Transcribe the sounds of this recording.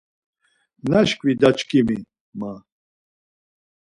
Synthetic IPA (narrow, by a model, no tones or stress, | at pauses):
naʃkʼvid̪at͡ʃkʰʼimi | ma